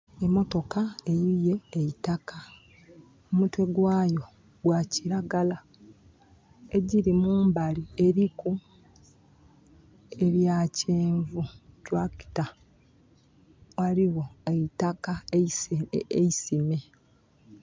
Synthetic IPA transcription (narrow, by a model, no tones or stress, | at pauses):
e̞mo̞to̞kae̞jije̞ːitaka | omutwe̞ɡwaːjo̞ | ɡwaːciɾaɡala | e̞ɟiɾimuːmbalie̞ɾiku | e̞βjaːceːɱvutwaki̥ta | waɾiwo̞eitaka | eisime